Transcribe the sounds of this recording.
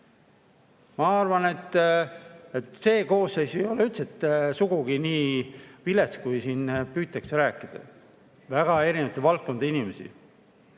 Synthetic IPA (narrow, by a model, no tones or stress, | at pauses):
mɑɑrvɑne̞t̪ː | et̪se̞ːko̞ːsːejsjoleylt̪set̪ːsuɡ̥uɡ̥iniːvileskujsiːnpyːt̪ːˑɑkseɾæːkːˑid̪̥ɑ̰ | væɡ̥ɑe̞ɾinevɑt̪evɑlt̪̚ko̞nd̪einimesḭ